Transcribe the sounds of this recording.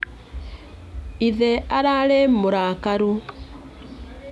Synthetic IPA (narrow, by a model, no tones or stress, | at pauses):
iðeaɾalemuɾaːkaɾu